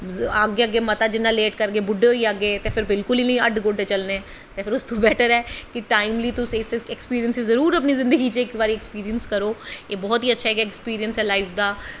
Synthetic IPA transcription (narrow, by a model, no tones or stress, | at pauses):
aːɡeaɡeːmət̪aːd͡ʒɪnːaːleːʈkəɾɡeːbʊɖːeɦoiaːɡeːt̪epʰɪɾbɪlkʊliːnəĩəɖɡoːɖeːt͡ʃəlneɛ̃ː | t̪epʰɪɾʊst̪õːbɛːʈəɾɛːkɪʈaːɪmliːt̪ʊseseɛkspiːɾijənsizəɾuːɾəp̬nizɪ̃nd̪əɡiːt͡ʃeɪkbaːɾiːɛkspiːɾijənskəɾoːeːbɔːt̪iːətːʃʰaɦɛːɡaɛkspiːɾijənsɛːlaːɪfd̪aː